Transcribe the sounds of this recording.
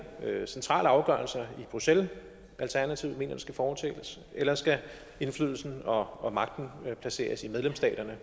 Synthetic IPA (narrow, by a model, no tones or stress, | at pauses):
sent͡sʰʁɑ̰̈ːləɑ̈ʊɡ̥ɶɐlsɐib̥ʁusel | ʔælt͡sʰæɐnæt͡sʰiʊme̝̰ːnɐd̥esɡ̥æfɒːt͡sʰḛləs | elɐsɡ̥æ | e̝nflyð̞̰ˠl̩sn̩ɒ̽mɑ̈ɡ̥̚d̥n̩pʰlæse̝̰ːɐsimeðˠlemsd̥ɛ̰ːd̥ɐnə